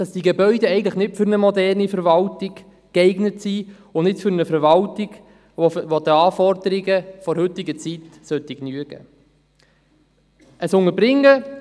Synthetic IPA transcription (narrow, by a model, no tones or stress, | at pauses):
d̥ɑsd̥iɡebœʏdɛɛɪɡəŋ̩tləχnɪtfʏɾnəmɔdɛrnifəɾvɑltɪɡ | kɛɪɡnətsi | ʊnɪtfʏɾnəfəɾvɑltɪɡ | ovod̪əɑːfɔrdəɾɪɡəfɔɾhɵtːɪɡət͡sitsœt̪iknyəɡ̥ə̰ | əsʊŋəbɾɪŋːə